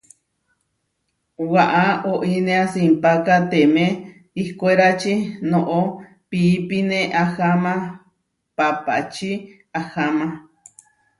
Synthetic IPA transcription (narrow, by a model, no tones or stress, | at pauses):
waʔaoʔinẽasimpakat̪emẽ | ihkoeɾat͡ʃinoʔo | pipineʔahamã | papa̰t͡ʃi | ahamã